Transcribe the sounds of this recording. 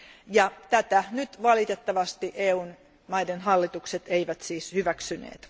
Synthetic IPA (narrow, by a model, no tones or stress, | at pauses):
jɑt̪æt̪ænyt̪ʋɑlit̪et̪ːɑʋɑst̪iʔeːuːn | mɑidenhɑlːit̪ukset̪eiʋæt̪siːshyʋæksynḛːt̪